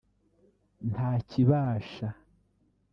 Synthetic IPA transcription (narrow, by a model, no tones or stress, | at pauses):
ntaːciβaːʃa